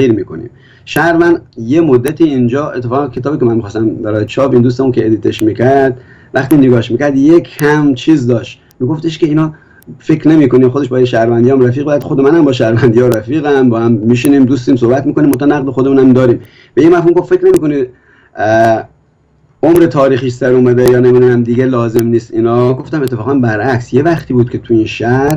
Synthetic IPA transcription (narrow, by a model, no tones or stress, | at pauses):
ɣiːɾmiːkʰonḭːm | ʃæɾvænd̪jemod̪ːæt̪ʰiːind͡ʒɒːet̪ʰːefɒːɣænkʲʰe̞t̪ɒːbiːkʲemænmixɑːst̪æmbæɾɔːjet͡ʃʰɒːbind̪ust̪emunkʰʲeed̪it̪ʰeʃmiːkʰæɾd̪̥ | væxt̪iːneɡɒːʃmiːkʲæɾd̪jekʰæmt͡ʃʰiːzd̪ɒːʃt̪ | miːɡo̞ft̪eʃkʲeiːnɒː | fekʰɾne̞miːkoniːmxod̪e̞ʃbɒːjeʃæɾvænd̪ijmɾæfiːɣ̚beæd̪xod̪emænæmbɒːʃæɾvænd̪ijɒɾæfiːɣæmbɒːhæmːiːʃ̬iniːmd̪uːs̬t̪iːmsohbæt̪mikonimːot̪ɑːnæɣd̪exod̪e̞muːnæmd̪ɒːɾiːm | b̥ejemæfhuːmɡo̞ffe̞kne̞miːko̞ni | omɾet̪ʰɒːɾiːxiːʃsæɾumæd̪ejɒːnemid̪unæmd̪iɡelɒːze̞mniːst̪inɒːɡo̞ft̪æme̞t̪ʰːefɒːɣæmbæɾʔæksje̞væxt̪ʰiːbuːd̪̚kʰet̪ʰuinʃæhɾ